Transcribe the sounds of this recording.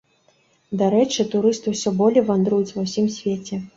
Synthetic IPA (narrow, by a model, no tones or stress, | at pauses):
d̪aɾɛt͡ʂɨt̪uɾɨst̪ɨwsʲɔbɔlʲɛjvand̪ɾujut͡sʲvɐwsʲimsʲvʲet͡sʲɛ